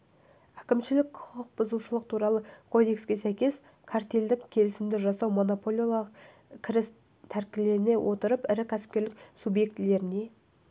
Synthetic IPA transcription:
ækʲɪmʃɪlɪkqʰʊqʰəq̚bʊzuʃəlˠəq̚t̪ʰuɾɑlˠəkʰo̞d̪e̞kskʲe̞sæjkʲe̞s | kʰaɾt̪ʲeld̪ɪkʲʰe̞lɪsɪmd̪ɪʒɑsɑwmo̞no̞polʲoɑq | kʲʰɪɾɪs | t̪ʰæɾkʲɪle̞ɾɪne̞wʔo̞t̪əɾəpɪɾɪkʲʰæsɪ̥p̚kʲe̞ɾlɪk̚subje̞k̚t̪ɪle̞ɾɪne̞

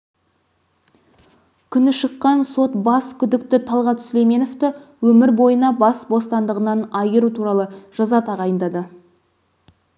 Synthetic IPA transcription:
kʲʰʏnɪʃəqːɑnso̞t̪bɑskʲʰʏd̪ɪkt̪ɪt̪ʰɑlˠʁɑt̪sʏlejme̞no̞ft̪ɪwɵmɪɾbo̞jənɑbɑsbo̞st̪ɑnd̪əʁənɑnɑjəɾut̪ʰuɾɑlˠəʒ̥ɑzɑt̪ʰɑʁɑjənd̪ɑd̪ə

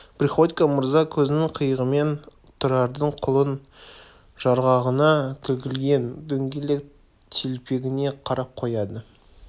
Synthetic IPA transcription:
prʲiχo̞t̪ʲikaməɾzɑkʲʰɵzɪnɪŋqʰəjəʁəme̞n | t̪ʰʊɾɑɾd̪əɴqʰʊlˠən | ʒ̥ɑɾʁɑʁənɑt̪ʰɪlkʲɪlɡʲe̞nd̪ɵŋɡʲelek | t̪ʰelpe̞ɡʲɪne̞qʰɑɾɑp̚qʰo̞jɑd̪ə

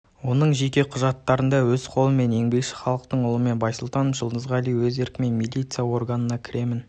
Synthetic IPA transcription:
wo̞nəɴʒe̞kʲe̞qʰʊʒɑt̪ːɑɾənd̪ɑwɵzqʰo̞lˠəme̞ne̞ŋbe̞kʃɪ̥χɑlˠəqt̪əɴʊlˠəme̞nbɑjsəlˠt̪ɑnʒəlˠd̪əzʁɑlijwɵze̞ɾkʲɪme̞nmilʲˠijt̪sɨjawo̞rɡanənɑkʲʰɪɾe̞mɪn

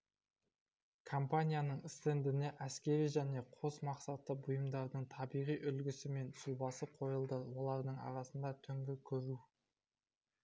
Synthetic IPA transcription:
kʰo̞mpanʲijanəɴɪst̪end̪ɪne̞ʔæskʲe̞ɾijʒæne̞qʰo̞smɑqsɑt̪ːəbʊjəmd̪ɑɾd̪əɴt̪ʰɑbijʁijʔʏlɡʲɪsɪme̞nsubɑsəqʰo̞jəlˠd̪əwo̞lˠɑɾd̪əɴɑ̰ɾɑsənd̪ɑt̪ʰʏŋɡʲɪkʲʰɵɾu

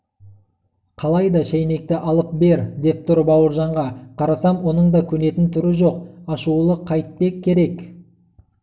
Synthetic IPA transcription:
qʰɑlˠɑjd̪ɑʃæjne̞k̚t̪ɪʔɑlˠəp̚be̞ɾd̪e̞p̚t̪ʊɾbɑwəɾʒɑɴʁɑqʰɑɾɑsɑmwo̞nəɴd̪ɑkʲʰɵne̞t̪ɪnt̪ʰʏɾɪʒo̞qɑʃulˠəqʰːɑjt̪̚pe̞kʲʰːe̞ɾe̞k

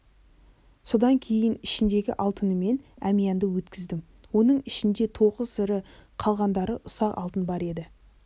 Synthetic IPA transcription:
so̞d̪ɑŋkʲʰe̞jɪnɪʃɪnd̪e̞ɡʲɪ̰ʔɑlˠt̪ənəme̞næmijɑnd̪əwɵt̪kʲɪzd̪ɪm | wo̞nəɴɪʃɪnd̪e̞t̪ʰo̞ʁəzsəɾəqʰɑlˠʁɑnd̪ɑɾəʔʊsɑqɑ̰lˠt̪ənbɑɾe̞d̪ɪ

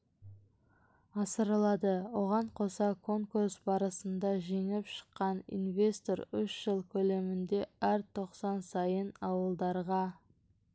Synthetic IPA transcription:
ɑsəɾəlˠɑd̪əwo̞ʁɑɴqʰo̞sɑkʰo̞ŋkursbɑɾəsənd̪ɑʒe̞ŋɪpʃə̥qːɑnḭnve̞st̪o̞ɾʏʃʒ̥əlˠkʲʰɵle̞mɪnd̪e̞æɾt̪ʰo̞qsɑnsɑjənɑwəlˠd̪ɑɾʁɑ

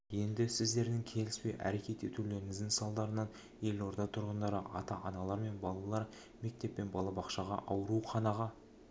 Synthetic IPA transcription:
je̞nd̪ɪsɪzd̪e̞ɾd̪ɪŋkʲʰe̞lɪspejʔæ̰ɾe̞kʲe̞t̪e̞t̪ule̞ɾɪŋɪzd̪ɪŋsɑlˠd̪ɑɾənɑn | je̞lo̞ɾd̪ɑt̪ʰʊɾʁənd̪ɑɾəʔɑt̪ɑʔɑnɑlˠɑɾme̞nbɑlˠɑlˠɑɾ | me̞k̚t̪e̞pːe̞nbɑlˠɑbɑqʃɑʁɑ̰ʔɑwəɾuqʰɑnɑʁɑ

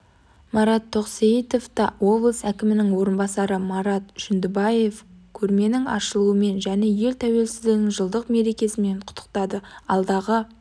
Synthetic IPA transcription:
mɑɾɑt̪ʰːo̞qseit̪o̞ft̪ɑwo̞blˠəsækʲɪmɪnɪŋwo̞ɾənbɑsɑɾəmɑɾɑt̪ʒ̥ʏnd̪ɪbɑje̞fkʲʰɵɾme̞nɪŋɑ̰ʃəlˠuəme̞nʒæne̞je̞lt̪ʰæwe̞lsɪzd̪ɪɡ̪ɪŋʒəlˠd̪əqme̞ɾe̞kʲe̞sɪme̞ɴqʰʊ̥t̪ʰːə̥qt̪ɑd̪əɑlˠd̪ɑʁə

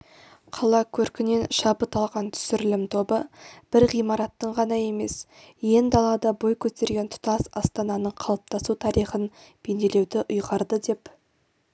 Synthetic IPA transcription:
qʰɑlˠɑkʲʰɵɾkʲɪne̞nʃɑbət̪ɑlˠʁɑnt̪ʰʏ̥sɪɾɪlɪmt̪ʰo̞bəb̥ɪɾʁijmɑɾɑt̪ːəɴʁɑnɑje̞me̞̰s | je̞nd̪ɑlˠɑd̪ɑbo̞jkʲʰɵt̪e̞ɾɡʲe̞nt̪ʰʊ̥t̪ɑsɑst̪ɑnɑnəɴqʰɑlˠəp̚t̪ɑsut̪ʰɑɾijχənb̥e̞nd̪e̞le̞wd̪ɪʔʊjʁɑɾd̪əd̪e̞p

